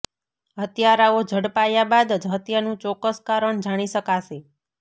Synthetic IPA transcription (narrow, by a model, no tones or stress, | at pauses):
ɦət̪jaɾaod͡ʒʱəɽpajabad̪d͡ʒʱət̪janũt͡ʃɔkəskaɾəɳd͡ʒaɽ̃iʃəkaʃe